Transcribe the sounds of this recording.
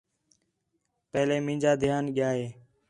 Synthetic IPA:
pɛɦlẽːmĩːd͡ʒaːd̪ʱɪjaːnɠɪjaːɦeː

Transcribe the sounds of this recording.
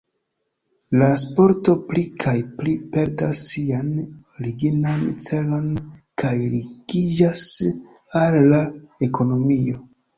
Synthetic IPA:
las̬po̞ɾto̞plikʰajplipe̞ɾdasːian | ɾiɡinant͡se̞lo̞nkʰajɾiɡid͡ʒas | alːa | e̞kʰo̞no̞mio̞

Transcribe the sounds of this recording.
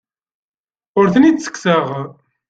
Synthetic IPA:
ʊɾθənid̪sə̥ksəʁ

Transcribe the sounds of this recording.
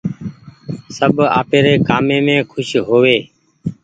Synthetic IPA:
səbʱa̰ːpeːɾeːkaːmeːmẽːkʰʊʃɦoːʋeː

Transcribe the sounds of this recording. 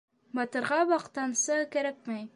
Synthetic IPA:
bɑt̪ɤ̆ɾʁɑbɑqt̪ɑnsɑkæɾæk̚mæj

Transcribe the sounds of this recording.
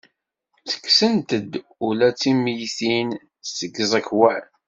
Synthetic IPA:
t͡sə̥kːsənt̪əd̪ | ʊlæt͡sːimjθin | səɡəzˤækwæ

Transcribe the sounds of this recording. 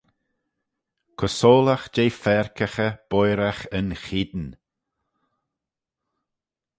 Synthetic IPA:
kʰəsoːlaxd͡ʒejfɛɹkəxəb̥ɔjɾaxənxid̪n

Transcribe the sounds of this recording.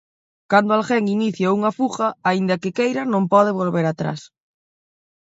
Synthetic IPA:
kand̪oalxɛŋiniθjauŋɐfuxɐaind̪ɐkɪkejɾɐnõmpɔðɪβ̞olβeɾat̪ɾa̰s

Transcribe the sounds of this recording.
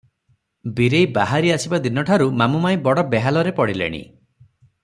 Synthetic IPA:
biɾejbaɦaɾiasibad̪inɔʈʰaɾumamumaj̃bɔɽɔbeɦalɔɾepɔɽilḛɽ̃ḭ

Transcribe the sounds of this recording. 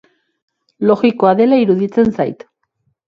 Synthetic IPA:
lo̞ɣiko̞aðe̞laiɾuðit͡se̞nsajt̪

